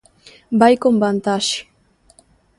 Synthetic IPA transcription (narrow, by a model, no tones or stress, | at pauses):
bajkombant̪aʃi̥